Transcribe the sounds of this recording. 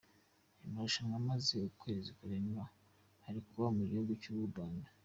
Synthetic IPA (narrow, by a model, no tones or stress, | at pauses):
imauʃaŋɡamaze̞ukwe̞ːzikuɾena | haɾikuβamuɟihuɡucuβubaːndḁ